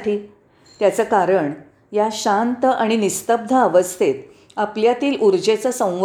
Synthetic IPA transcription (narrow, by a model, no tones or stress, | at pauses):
ʈʰiː | t̪jat͡səkaɾəɳ | jaɕant̪aɽ̃inist̪əb̚d̪ʱəəʋəst̪ʰet̪ | apljat̪iːlʔuɾd͡ʑet͡səsə̃w̃ʋ